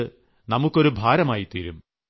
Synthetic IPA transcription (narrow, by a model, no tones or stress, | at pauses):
ɨ | nɐmukːo̞ɾubʱaːɾɐmaːjit̪iːɾum